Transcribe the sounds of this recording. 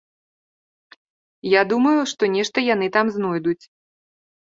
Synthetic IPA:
jad̪umɐjuʂt̪ɔnʲɛʂt̪ɐjan̪ɨt̪amznɔjd̪ut͡sʲ

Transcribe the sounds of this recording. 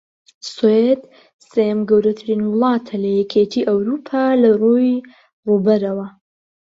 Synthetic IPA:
swed̪ | sejɛmɡɐwɾɐt̪ʰɨɾinwɨlˠɑːt̪ʰɐlɐjɛkʲʰet̪ʰiːʔɐwɾuːpʰaːlɐruj | ruːbɐɾɐwɐ

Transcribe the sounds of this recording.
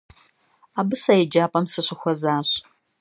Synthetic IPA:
aːbɨsɐjɪd͡ʒaːpʼɐmsɨɕɪxʷɐzaːɕ

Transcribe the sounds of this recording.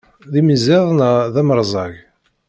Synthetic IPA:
ðimizɪðˤnəðæməɾˤzˤɑʝ

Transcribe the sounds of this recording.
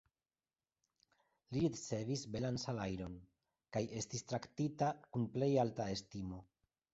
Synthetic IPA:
liɾit͡se̞visbelansalajɾo̞n | kaje̞stist̪ɾaktitakunple̞jaltae̞stimo̞

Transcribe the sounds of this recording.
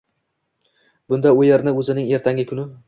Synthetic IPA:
b̥ʊnd̪aʊjeɾnɪɵzɪnɪŋe̞ɾt̪ʰaŋʲɪkʰʊnɪ

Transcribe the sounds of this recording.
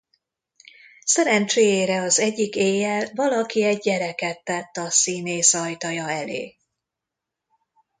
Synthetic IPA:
sɛɾɛnt͡ʃeːjeːɾɛɒzɛɟːikeːjːɛlvɒlɒkiɛɟːɛɾɛkɛt̪ːɛt̪ːɒsiːneːsɒjt̪ɒjɒɛlḛː

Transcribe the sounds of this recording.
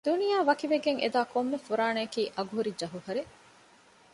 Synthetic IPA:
d̪unijaːʋɐkiʋeɡeŋḛd̪aːkomːefuɾaːneɐkiːʔɐɡuɦuɾid͡ʒɐɦuɦɐɾe

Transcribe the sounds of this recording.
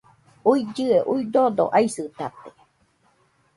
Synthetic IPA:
uid͡ʒɨeʔuid̪od̪o̰ʔaisɨt̪at̪e̥

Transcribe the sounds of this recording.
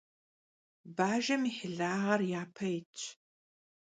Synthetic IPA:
baːʒɐmiħɪɮaːʁɐrjaːpʰɐjɪt͡ʃʼʰ

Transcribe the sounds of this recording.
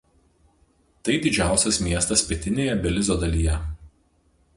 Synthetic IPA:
t̪ɐɪd̪ʲɪd͡ʒʲæˑʊsʲɛsmʲiɛst̪ɐspʲɪɛt̪ʲɪnʲeːjɛbʲɛlʲɪzʲoːd̪ɐlʲiːjɛ

